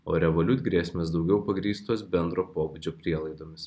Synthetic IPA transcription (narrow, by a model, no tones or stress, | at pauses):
o̰ːɾʲɛʋolʲʊt̪ʲɡɾʲeːsʲmʲes̬d̪ɐʊɡʲɛʊpɐɡɾʲiːst̪oːsbʲɛnd̪ɾoːpoːbud͡ʒʲoːpʲɾʲiɛlˠɐɪd̪oːmʲɪs